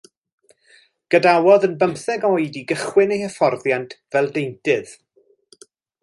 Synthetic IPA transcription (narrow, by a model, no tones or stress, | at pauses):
ɡ̥ədawɔðənbəmθɛɡɔɨdiɡəχwɪnejhɛfɔrðjantʰv̥ɛlˠdejntɪð̥